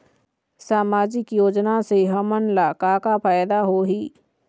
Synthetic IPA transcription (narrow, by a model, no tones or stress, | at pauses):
saːmaːd͡ʒɪkjoːd͡ʒnaseɦəmənlaːkaːkapʰaːjd̪aɦoːɦiː